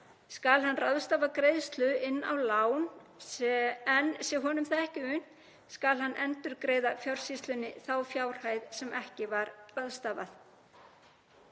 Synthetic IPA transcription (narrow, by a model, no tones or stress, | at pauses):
skalɦanːraðst̪aːvakɾeːjðst̪lʏʔɪnːa̰wlaːwn | ɛnsjɛɦɔːnʏmθaɛhcɪʏn̥ | skalhanːʔɛnt̪ʏɾkɾeːjðafjawr̥sist̪lʏnːɪθawfjaːwr̥haːjðsɛmʔɛhcɪvaɾraðst̪aːva̰θ